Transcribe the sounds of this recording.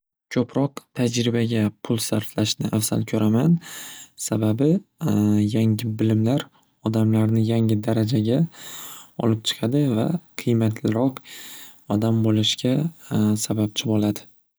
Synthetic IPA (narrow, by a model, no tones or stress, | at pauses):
kʲʰɵpʰɾɒqt̪ʰad͡ʒɾɪbaɡʲapʰʊlˠsaɾflaʃnɪʔafsa̰lkʲʰɵɾamansababɪ | jaŋʲɪbɪlɪmlaɾ | ɒd̪amlaɾnɪjaŋɪd̪aɾad͡ʒaɡʲa | ɒ̰lɪp̚t͡ʃʰɨ̥qʰɑd̪ɪva̰qʰɨjmat̪ʰlɪɾɒq | ɒd̪ambolɪʃkʲʰasabap̚t͡ʃʰɪbɒlad̪ɪ